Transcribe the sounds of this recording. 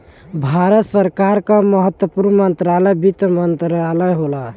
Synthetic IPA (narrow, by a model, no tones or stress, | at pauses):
bʱaɾət̪səɾkaɾkə̃məɦət̪wəpuɾmmənt̪ɾaləjbit̪mənt̪ɾaləjɦola